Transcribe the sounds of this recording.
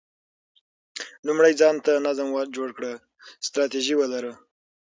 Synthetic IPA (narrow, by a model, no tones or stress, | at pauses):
lumɽajd͡zɑnt̪anazmwad͡ʒoɽkɽə | st̪ɾɑt̪iʒiwəlaɾə